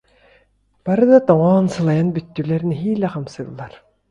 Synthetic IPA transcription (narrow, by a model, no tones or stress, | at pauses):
b̥aɾɯd̪at̪ɔŋɔːnsɯlˠajanbyt̪ːylɛɾĭnɦiːlʲɛqamsɯːlˠːaɾ